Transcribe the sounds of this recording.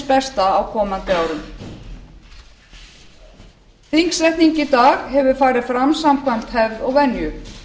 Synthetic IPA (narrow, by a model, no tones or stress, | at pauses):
spɛst̪aːwkʰɔːmant̪ɪaːwɾʏm | θiŋksɾɛjht̪niɲcit̪aːɣhɛvʏ̥faːɾɪðfɾamsamkʰvam̥t̪hɛvðɔɣvɛnjʏ